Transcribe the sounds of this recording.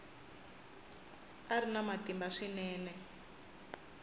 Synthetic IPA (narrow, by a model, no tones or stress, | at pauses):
aɾinamatimbaʂinɛːnɛ